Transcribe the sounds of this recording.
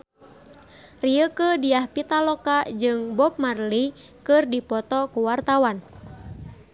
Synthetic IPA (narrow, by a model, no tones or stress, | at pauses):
riəkədiahpit̪alɔkad͡ʒɨŋbɔp̚marli | kɨrdipɔt̪ɔkuwart̪awan